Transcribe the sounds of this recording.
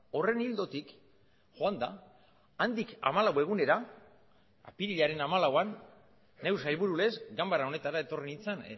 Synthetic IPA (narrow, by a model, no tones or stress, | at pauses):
o̞re̞nild̪o̞t̪ik | xoand̪a̰ː | nd̪ika̰malawe̞ɣ̞une̞ɾa | a̰piɾiʎaɾe̞namalawanː | e̞wsajlβuɾule̞zɡambaɾao̞ne̞t̪aɾae̞t̪o̞rinint͡san